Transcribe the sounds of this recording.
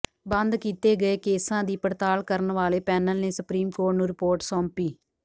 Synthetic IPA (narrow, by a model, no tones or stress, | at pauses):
bə̃nd̪kiːt̪eːɡəeːkeːsãːd̪iːpəɾt̪aːlkəɾənʋaːleːpɛːnəlneːsʊpɾiːmkoːɾʈnũːɾɪpoːɾʈsɔːmpiː